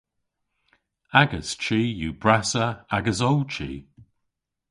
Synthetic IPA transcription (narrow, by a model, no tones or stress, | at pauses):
aɡəst͡ʃiːjuːbɹasəaɡəsɔlt͡ʃʰḭː